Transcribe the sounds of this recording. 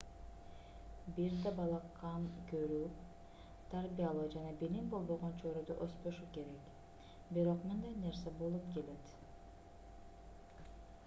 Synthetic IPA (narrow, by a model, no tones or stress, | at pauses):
biɾd̪ebɑlˠɑqːɑnkøɾy | t̪ʰaɾbijalˠɯːd͡ʒɑnɑbilimbo̞lˠbo̞ʁont͡ʃʰoɾod̪uʔospoʃuke̞ɾek | biɾo̞qmɯnd̪ajne̞ɾsebo̞lˠupke̞le̞t̪